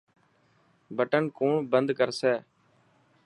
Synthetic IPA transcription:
bəʈənkoːɳbənd̪kəɾsɛː

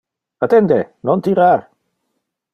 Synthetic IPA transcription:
at̪end̪enont̪iɾaɾ

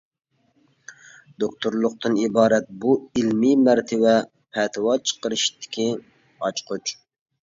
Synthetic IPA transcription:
d̪okt̪ʰuɾlˠʊq̚t̪ɨnibɑːɾɛt̪̚builmimæɾt̪ʰɪvɛ | pʰɛt̪ʰɨwɑt͡ʃʰə̥qəɾɨʃt̪ʰɪ̥kʲʰi | ɑt͡ʃqut͡ʃ

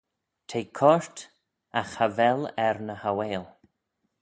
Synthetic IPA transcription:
t̪ʰejkʰɔɹt | axhavɛlɛɾnəhaweːlˠ

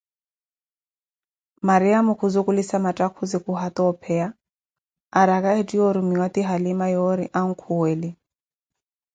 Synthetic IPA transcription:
maɾiamukʰuzukʼulisamatʼakʰuzikuɦat̪ɔːpʰɛa | aɾakaɛtʼiɔɾumiwat̪iɦalimajɔɾiʔaŋ̩kʰuwɛli

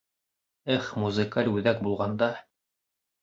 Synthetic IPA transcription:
ɘχmuzɨkalʲʉðæk̚bulˠʁɑnd̪ɑ

